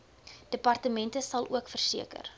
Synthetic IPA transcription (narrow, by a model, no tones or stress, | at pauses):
d̥əpɐrtəmɛntəsɐlˠuəkfərsiəkə̰r